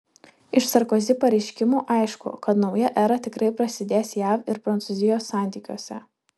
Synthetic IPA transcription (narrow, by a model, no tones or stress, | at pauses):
ɪʃsɐɾkɔzʲɪpɐɾʲɛɪʃʲkʲɪmuːʔɐɪʃkʊ̰kɐt̪nɒʊjɛʔɛɾɐt̪ʲɪkɾɐɪpɾɐsʲɪd̪ʲeːsjæʋɪɾpɾɐnt̪sʊzʲɪjoːsːɑˑnʲt̪ʲiːkʲuːsʲɛ̰